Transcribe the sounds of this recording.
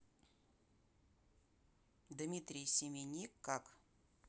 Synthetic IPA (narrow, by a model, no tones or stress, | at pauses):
d̪mʲit̪ɾʲijsʲɪmʲenʲikːak